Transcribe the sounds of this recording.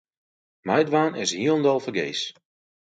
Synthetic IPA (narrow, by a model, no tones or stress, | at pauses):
majdʋaːnɪshiəlˠndɔlˠfəɡejs